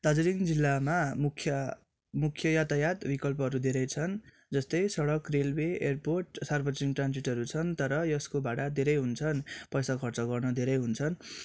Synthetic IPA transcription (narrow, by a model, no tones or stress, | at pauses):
t̪ad͡zʌɾiŋd͡zilːamamukʰjʌ | mukʰjʌjat̪ajat̪bikʌlpʌɦʌɾud̪ʱeɾʌjt͡sʰʌn | d͡zʌst̪ʌjsʌɽʌkrelbeerporʈsarbʌd͡ziŋʈrand͡ziʈɦʌɾut͡sʰʌnt̪ʌɾʌjʌskobaɽad̪ʱeɾʌjɦunt͡sʰʌnpʌjsakʰʌrt͡sʌɡʌrnʌd̪ʱeɾʌjɦunt͡sʰʌn